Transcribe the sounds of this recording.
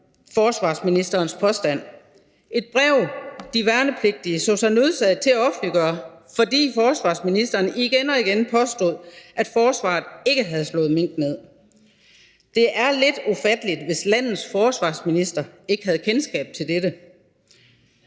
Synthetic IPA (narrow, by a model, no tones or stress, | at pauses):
fɒːsʋɑ̰̈ːsminisd̥ɐːnspʰɒ̽sd̥æn̰ | e̝d̥̚b̥ʁɛʊ̰d̥iʋæɐnəpʰle̝ɡ̥̚d̥iəsɒsænøðˠsɛðˠt͡sʰe̝æɒ̽b̥niɡ̥ɶɐfɒ̽d̥ḭːfɒːsʋɑ̈ːsminisd̥ɐːniɡ̥enɒ̽iɡ̥enpʰɒ̽sd̥o̝ðˠʔæd̥fɒːsʋɑ̰̈ːð̩ˠe̝ɡ̥əɦæð̞ˠslɔ̽ːð̩ˠmeŋ̰d̥neð̰ˠ | d̥e̝ʔæɐled̥ufæd̥əlid̥ʋe̝slæn̰ð̩ˠsfɒːsʋɑ̰̈ːsminisd̥ɐe̝ɡ̥əɦæð̞̩ˠkʰensɡ̥ɛ̰ːb̥̚t͡sʰe̝ld̥ed̥ə